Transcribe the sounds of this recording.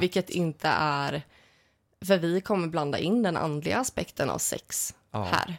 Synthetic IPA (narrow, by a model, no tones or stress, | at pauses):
vɪkːət̪ʰɪnt̪ʰə̰ʔæɾ | fœɾvɪkʰɔmːəɾbland̪a̰ʔɪnːd̪ɛnʔa̰nd̪lɪɡaːspɛkt̪ʰəna̰vsɛ̰ks | hæ̰ːɾ